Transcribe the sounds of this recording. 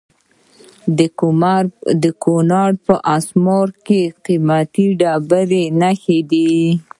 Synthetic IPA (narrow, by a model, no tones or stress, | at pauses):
d̪əkonɑɽpəʔasmɑɾkeqimat̪iɖɑbaɾenaxed̪i